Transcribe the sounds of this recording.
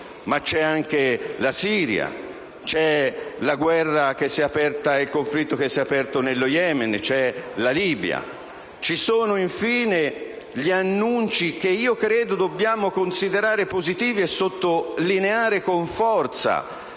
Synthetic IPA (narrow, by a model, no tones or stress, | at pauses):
mat͡ʃːɛaŋkelasiːɾja̰ | t͡ʃɛlaɡwɛrːak̟esːiɛapɛrt̪ailkoɱflit̪ːok̟esːɛapɛrt̪onelːojɛment͡ʃɛlaliːbja̰ | t͡ʃisoːnoiɱfiːne | ʎianːunt͡ʃik̟eiːokɾeːd̪od̪obːjaːmokonsid̪eɾaːɾepozit̪iːviesːot̪ːolineaːɾekoɱfɔrt̪sa̰